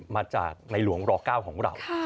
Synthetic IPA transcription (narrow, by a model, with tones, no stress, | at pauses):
maː˧t͡ɕa̰ː˨˩k̚na˧jlu˩˦əŋɾɔː˧kaː˥˩wkʰɔː˩˦ŋɾa̰˧wwʰa˥˩